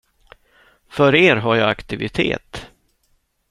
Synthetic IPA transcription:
fœɾeːɾɦaɾjɑːakt̪ɪvɪ̰t̪ʰḛːt̪

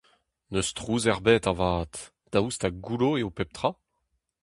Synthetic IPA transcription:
nøst̪ʁuːzɛʁbɛt̪avaːt̪ | d̪̥aust̪aɡuloeopɛp̚t̪χa

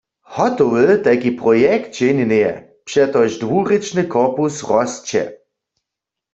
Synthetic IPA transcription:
hɔtɔwət̪ɛkipʁɔjɛkt̪̚d͡ʒɛnɛnejɛ̰ | pʃɛt̪ɔʒdʋuʁet͡ʃnɨkɔʁpusʁɔst͡ɕɛ̰

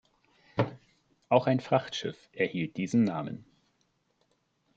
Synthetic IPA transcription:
ʔaʊxaɪnfʁ̥aχtʃɪ̰fʔɛɐhiːlt̚d̥iːzn̩naːmə̰n

